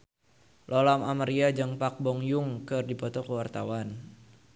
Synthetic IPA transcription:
lʔɔlamamaɾiad͡ʒaŋpak̚bɔŋjuŋkɨrdipɔt̪ɔkəwart̪awan

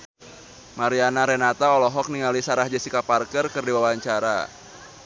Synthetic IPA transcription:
maɾianaɾɛnat̪aɔlɔɦɔk̚niŋalisaɾahd͡ʒɛsikaparkərkɨrdiwawaɲt͡ʃaɾa̰

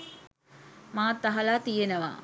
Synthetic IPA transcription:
maːt̪ːaɦɐlat̪ijenəʋa̰

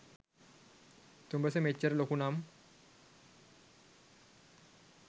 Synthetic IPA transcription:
t̪umbəsəmet͡ʃəɾlokunam

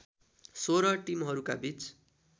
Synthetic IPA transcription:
soɾʌʈimɦʌɾukabit͡s

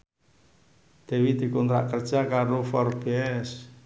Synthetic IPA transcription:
d̪̥ɛ̤wid̪̥i̤kɔnt̪ɾa̰ʔkərd̥ʒ̥akaɾofɔrb̥ɛs

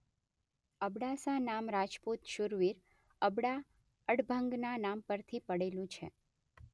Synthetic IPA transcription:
əbɽasanamɾad͡ʒput̪ʃuɾʋiɾ | əbɽa | əɽbʱəŋɡnanampəɾt̪ʰipəɽelũt͡ʃʰḛ

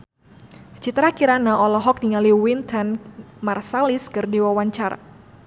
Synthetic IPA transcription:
t͡ʃit̪ɾakiɾanaʔɔlɔɦɔk̚diŋaliwint̪ʰɛnmarsaliskɨrdiwawaɲt͡ʃaɾa̰

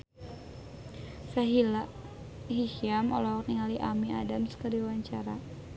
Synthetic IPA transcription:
saɦila | ɦihiamɔlɔwk̚niŋaliʔamia̰damskəɾiwaɲt͡ʃaɾa

